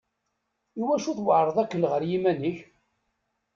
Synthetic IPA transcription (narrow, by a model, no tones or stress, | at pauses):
iwæʃuθwəʕɾˤəðˤækːənʁəɾjimænəç